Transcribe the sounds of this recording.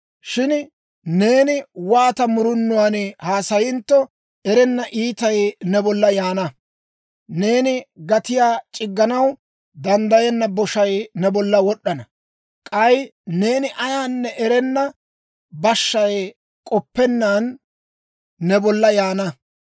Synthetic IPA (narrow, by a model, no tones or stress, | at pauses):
ʃɪn | ne̞ːnɪwaːt̪ɐmʊɾʊnːʊwaːnhaːsɐjɪnt̪ːɔ | ɛɾɛnːɐʔiːt̪ɐjnɛbɔlːɐjaːnɐ | ne̞ːnɪɡɐt̪ɪjaːt͡ʃʼɪɡːɐnɐw | d̪ɐnd̪ɐjɛnːɐbɔʃɐjnɛbɔlːɐwɔɗːɐnɐ | kʼɐjne̞ːnɪʔɐjaːnːɛʔɛɾɛnːɐ | bɐʃːɐj | kʼɔpːɛnːaːn | ɛbɔlːɐjaːnɐ